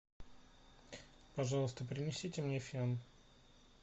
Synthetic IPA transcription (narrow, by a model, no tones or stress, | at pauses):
pɐʐɑlˠəst̪əp̬ɾʲɪnʲɪsʲitʲɪmnʲefʲan